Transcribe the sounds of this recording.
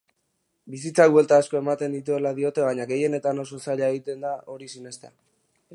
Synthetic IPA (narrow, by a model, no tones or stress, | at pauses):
bisit͡sawe̞lt̪aːsko̞e̞mat̪e̞nd̪it̪ue̞laðio̞t̪e̞βaɲaɡe̞je̞ne̞t̪ano̞so̞saʎaeɣ̞it̪e̞nd̪ao̞ɾisine̞st̪ea̰